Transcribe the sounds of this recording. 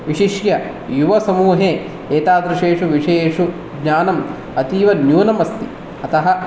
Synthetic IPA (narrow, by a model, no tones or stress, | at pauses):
ʋiʂiʂjɐ | juʋɐsɐmuːɦe | eːt̪aːd̪ɾiʂeːʂuʋiʂeːʂu | ɡɲaːnɐm | ɐt̪iːʋɐnjuːnɐmɐst̪i | ɐt̪ɐɦɐ̆